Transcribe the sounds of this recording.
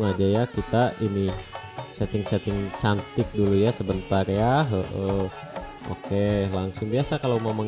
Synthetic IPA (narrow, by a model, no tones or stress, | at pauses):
ŋad͡ʒajakit̪aʔini | sɛt̪ɪŋsɛt̪ɪŋt͡ʃant̪ɪk̚dulujasəbənt̪arjaɦəʔə | ʔo̰kelaŋsʊŋbiasakalawmawmaŋ